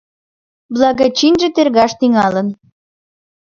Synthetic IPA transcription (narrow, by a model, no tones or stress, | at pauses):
blɑɣɑt͡ɕinʒĕt̪erɣɑʃt̪iŋɑlə̆n